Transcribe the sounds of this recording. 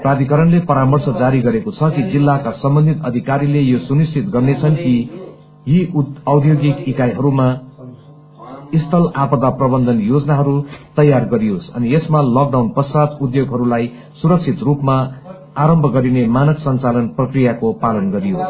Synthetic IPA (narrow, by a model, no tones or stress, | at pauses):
prad̪ʱikʌɾʌnlepʌɾamʌrsʌd͡zaɾiɡʌɾekot͡sʰʌkid͡zilːakasʌmbʌnd̪ʱit̪ʌd̪ʱikaɾilejosunist͡sit̪ɡʌrnet͡sʰʌnki | jiʌwd̪ʱjoɡikikajɦʌɾuma | ist̪ʰʌlapʌd̪aprʌbʌnd̪ʱʌnjod͡zʌnaɦʌɾut̪ʌjːarɡʌɾijosʌ̰niesmalʌk̚ɖawnpʌsad̪ud̪joɡɦʌɾulaj | suɾʌk̚t͡sʰit̪rupmaː | ɾʌmbʱʌɡʌɾinemanʌksʌnt͡salʌnprʌkrijakopalʌnɡʌɾijo